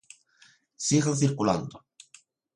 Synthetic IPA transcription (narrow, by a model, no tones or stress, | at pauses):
siɣanθiɾkula̰nd̪o